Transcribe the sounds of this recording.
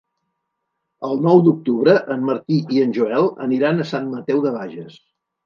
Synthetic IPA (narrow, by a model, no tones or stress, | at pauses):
əlˠnɔwd̪uk̚t̪uβɾəʔəmːəɾt̪iʔiənʲʒuɛlˠə̰niɾanəsanmət̪ɛwðəβ̞aʒəs